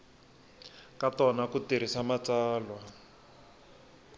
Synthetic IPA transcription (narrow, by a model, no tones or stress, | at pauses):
katɔnakutiɾ̤isamat͡saːlwa